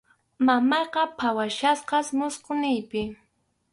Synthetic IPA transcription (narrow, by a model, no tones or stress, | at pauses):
mamɑjqɑpʰawaʃasqɑsmʊsqonɪjpɪ